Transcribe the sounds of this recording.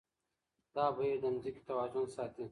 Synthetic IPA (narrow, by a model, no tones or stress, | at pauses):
d̪̥ɑːbɐjed̪ɐnzikʲi̥t̪ɐwaːd͡ʒʊnsaːt̪i